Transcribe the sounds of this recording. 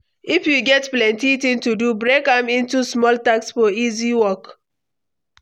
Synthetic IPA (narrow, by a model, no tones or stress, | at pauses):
ifjuɡɛtplɛ̃ntitĩntudubɹekãmĩntusmɔltaksfɔiziwɔk